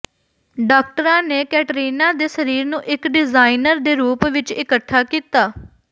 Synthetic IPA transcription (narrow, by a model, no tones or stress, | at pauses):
ɖaːk̚ʈəɾãːneːkɛːʈəɾiːnãːd̪eːsəɾiːɾnũːʔɪkɖɪzaːinəɾd̪eːɾuːpʋɪt͡ʃɪkəʈ̪ʰːaːkiːt̪aː